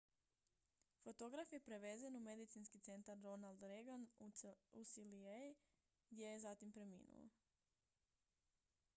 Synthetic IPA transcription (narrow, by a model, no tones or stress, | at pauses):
fo̞t̪o̞ɡɾafje̞pɾe̞ʋe̞zenume̞d̪it̪sinskit̪se̞nt̪aɾːo̞nald̪ɾeɡan | usiliej | ɡd̪ʲjejezat̪impɾe̞mḭːnṵo̰